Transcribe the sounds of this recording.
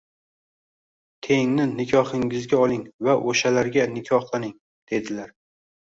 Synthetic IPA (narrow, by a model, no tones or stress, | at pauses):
t̪ʰe̞ŋnɪnɪkʲʰɒhɪŋɪzɡʲaɒlˠɪŋvaʔoʃalaɾɡʲanɪkʲʰɒhlˠanɪŋ | d̪̥e̞d̪ɪlaɾ